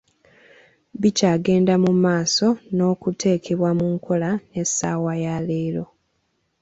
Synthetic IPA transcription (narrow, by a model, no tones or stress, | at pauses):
bicaːɡe̞ːndamumaːso̞no̞ːkutʰe̞ːkʰe̞βwamuŋkʰo̞lane̞saːwajaleːɾo̞